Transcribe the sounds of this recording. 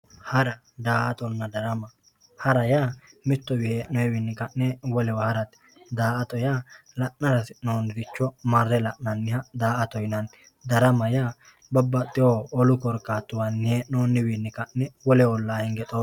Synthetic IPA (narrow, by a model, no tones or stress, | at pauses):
hɐɾɐ | d̪aːʔɐt̪ɔnːɐd̪ɐɾɐmɐ | hɐɾɐjaːmɪt̪ːɔbɪheːnɔɛwɪnːɪkɐʔːɛwɔlɛwɐhɐɾɐt̪ | d̪aːʔɐt̪ɔjalɐʔnɐɾɐsɪnoːnd̪ɪt͡ʃːɔmɐrːɛlɐʔnɐnːɪhɐd̪aːʔɐt̪ɔjnɐn | d̪ɐɾɐmɐjaː | bɔbːɐt̪ʼɪjoːɔlʊkɔɾkːaːt̪ːʊwɐnːɪhenoːnːɪwɪnːɪkɐʔːɛwɔlɛwɔlːaːhɛŋɡɛt̪ʼo